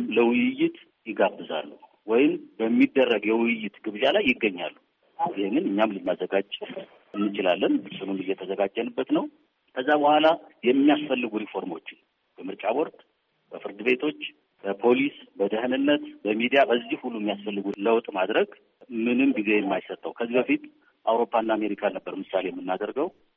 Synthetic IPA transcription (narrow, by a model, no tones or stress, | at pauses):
mləwʊjjːɪt̪ | jɪɡabːɨza̰lːu | wɔjɪmbəmːid̪ːərːəɡjɛwʊjjːɪt̪ɡɨβʒalajːɪɡːəɲːa̰lːu | jɪheŋːɨnɨɲːamlɨnːazːəɡad͡ʒ | ɨnːɨt͡ʃʼɪla̰lːənɨsɨnunɨjɛt̪ʰəzəɡad͡ʒːənɨbːət̪nəw | kʰəzːabəhʷalajɛmːijasfəlːɨɡuɾifo̞ɾmo̞t͡ʃːɪn | b̥əmɨɾt͡ʃʼawɔɾt̪ʼ | b̥əfɨɾd̪ɨβe̞t̪ʰo̞t͡ʃː | b̥əpʰo̞lisbəd̪əhɨnɨnːət̪bəmid̪ijabəzːihhulːujɛmːijasfəlːɨɡuləwt̪ʼmad̪ɾəɡ | mɨnɨmɡize̞jɛmːajsət̪ʼːəwkʰəzːibəfit̪ | ʔawɾo̞pːaɨnːaːme̞ɾikʰanəbːəɾmɨsale̞jɛmːɨnːad̪əɾɡəw